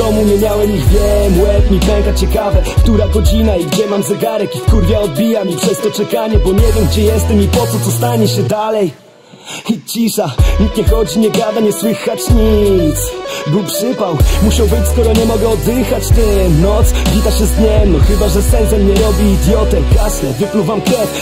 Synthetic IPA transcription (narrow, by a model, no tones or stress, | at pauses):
d̪ɔmumʲɛɲjawɛmiɣvʲjɛmwɛt̪mʲipɛŋkat͡ɕɛkavɛkt̪uɾaɡɔd͡ʑinaiɡd͡ʑɛmamzɛɡaɾɛkifkuɾvʲjaɔd̪̚bʲijamipʂɛst̪ɔt͡ʂɛkaɲɛbɔɲɛvʲjɛmɡd͡ʑɛjɛst̪ɛmipɔt̪sɔt̪ɔst̪aɲɛɕɛd̪alɛj | it͡ɕiʂaɲikɲɛxɔd͡ʑiɲɛɡad̪aɲɛswɘxat͡ɕɲit̪sbupʂɘpawmuɕawbɘt͡ɕʲskɔɾɔɲɛmɔɡɛɔd̪ːɪxat͡ɕt̪ɛnɔt̪svʲit̪aɕɛzd̪ɲɛmnɔxɘbaʐɛsɛnt̪sɛmɲɛɾɔbʲiːd̪ʲjɔt̪ɛkaslɛvɘpluvamkɾɛt̪